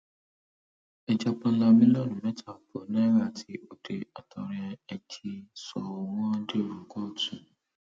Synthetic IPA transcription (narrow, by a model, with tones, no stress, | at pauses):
ɛ˧d͡ʒa˧k͡pã˧˦la˧mĩ˦lɔ˦˨nũ˦˨mɛ̃˦tʰa˦˨pɔ˨nã˦ɾa˦˨tʰi˨˦o˦˨de˧a˨tʰɔ˧ɾɛ̃˧ɛ˧t͡ʃʰi˧sɔ˧ɔ˧w̃ɔ̃˦de˦o˨ɾũ˨kɔ˦˨tũ˨